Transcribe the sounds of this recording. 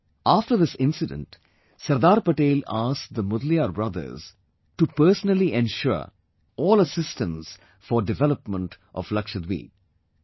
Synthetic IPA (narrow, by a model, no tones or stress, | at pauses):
aːfʈəɾd̪ɪsɪ̃nsɪɖə̰̃nʈ | sɐɾd̪aːɾpəʈeːlaːsk̚d̪əmʊd̪liaːɾbɾʌd̪ə̰ɾz̥ | ʈupəːsənəliʔɛ̃nʃʊ̰ɾ | ɔːləsɪsʈə̃ns | fɔɾɖɪʋɛləpmə̃ɳʈ | ʔɔ̰ʋlʌkʃəd̪ʋḭː